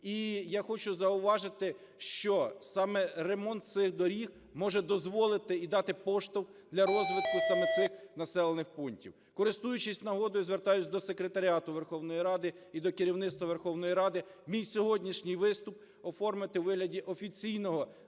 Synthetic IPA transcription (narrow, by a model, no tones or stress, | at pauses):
ijaxɔt͡ʃʊzɐʊʋɑʒɪt̪ɪ | ʃt͡ʃɔsɑmɛremɔnt̪̚sɪxd̪ɔɾʲix | mɔʒɛd̪ɔzʋɔlˠɪt̪ɪid̪ɑt̪ɪpɔʃt̪ɔwd̪lʲɐɾɔzʋɪt̪̚kʊsɐmɛt̪sɪxnɐsɛlˠenɪxpunʲtʲḭw | kɔɾɪst̪ujʊt͡ʃɪsʲnɐɦɔd̪ɔjʊzʋert̪ɑjʊt͡sʲd̪ɔsekɾet̪ɐɾʲiɑt̪ʊʋerxɔwnɔjiɾɑd̪ɪid̪ɔkɪɾʲiwnɪt̪st̪ʋɐʋerxɔwnɔjiɾɑd̪ɪmʲijsʲɔɦɔdʲnʲiʃnʲijʋɪst̪ʊp | ɔfɔrmɪt̪ɪwʋɪɦlʲɐdʲiʔɔfʲit͡sʲijnɔɦɔ